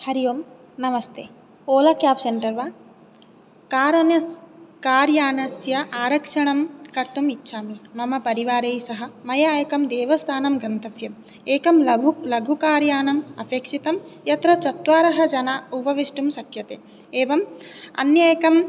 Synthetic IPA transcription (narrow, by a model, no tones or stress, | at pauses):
hɐɾijoːm | nɐʋɐst̪ʰeː | oːlɐkjaːpseɳʈɐɾʋaː | kaːɾɐnɐskaːɾjaːnɐsjɐʔaːɾɐkʂɐɳɐmkɐɾt̪umitːʃʰaːmimɐmɐpɐɾiʋaːɾeːjsɐɦɐ̆mɐjaːjɐkɐmd̪eːʋɐst̪ʰaːnɐmɡɐnt̪ɐfjɐm | eːkɐmlɐulɐɡʱukaːɾjaːnɐmɐ̰pʰjɐkʂit̪ɐmjɐt̪ɾɐt͡ʃɐt̪ʋaːɾɐɦɐ̆d͡ʒɐnaːupɐʋiʂʈumsɐkʰjɐt̪eː | eːʋɐmɐ̰njaːjɐkɐm